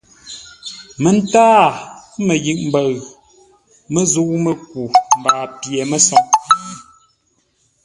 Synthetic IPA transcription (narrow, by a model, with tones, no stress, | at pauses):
mə˨n̩˦taː˦mə˨ji˨ʔm̩˨bə˨ɣ | mə˦zu˦ʔmə˨k̚u˨m̩˨baː˨pje˨mə˦sɔ˨ŋ